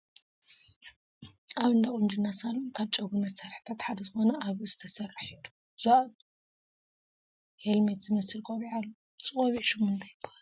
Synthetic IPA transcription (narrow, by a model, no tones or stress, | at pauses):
ʔaβɨnd̪akʼund͡ʒɨnːasalːukʰaβt͡ʃʼɐɡunɐt̪saɾħɨ̥t̪ʰat̪ħad̪ɐzɨxo̞nɐʔaβɨzɨt̪ʰɐsɐrːɨħid̪u̥ | za | helmet̪zɨmɐsɨlkʰβiʕalːo | t͡sʼɨkʼoβiʃɨmɨnd̪ʰɐjɪbahal